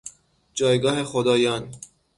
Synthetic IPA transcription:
d͡ʒɒːjɡɒːhexod̪ɒːjɒːn

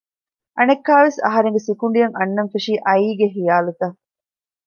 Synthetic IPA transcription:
ʔɐnekːaːʋesɐ̰ɦɐɾeŋɡesikuɳɖijɐŋʔɐnːɐnfeʂiːʔɐiːɡeɦijaːlut̪ɐ

